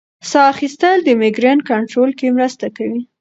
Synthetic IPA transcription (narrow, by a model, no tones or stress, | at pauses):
sɑaxist̪əld̪əmɪɡɾenkaɳʈɾolkemɾəst̪akawi